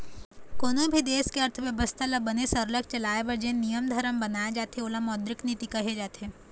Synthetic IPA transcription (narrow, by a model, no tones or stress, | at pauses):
koːnõbʱid̪eːskeɐɾt̪ʰəʋjɐʋəst̪ʰalɐbɐnesɐɾlək̚t͡ʃɐlaːeʋɐɾd͡ʒẽnijəmd̪ʱɐɾəmbɐnaːed͡ʒaːt̪eoləmɔːd̪ɾɪknit̪ikɐɦed͡ʒaːt̪eː